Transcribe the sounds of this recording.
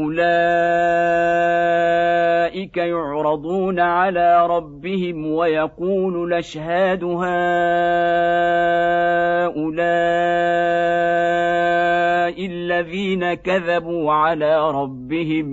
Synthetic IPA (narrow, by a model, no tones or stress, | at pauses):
ʔʊlaː | ʔɪkajʊʕɾˤɑd̪ˤuːnaʕalaːɾˤɑbːɪhɪmwajɑquːllʔaʃhaːd̪ʊɦaː | ʔʊlaː | ʔɪlːaðiːnakaðabuːʕalaːɾˤɑbːɪhɪm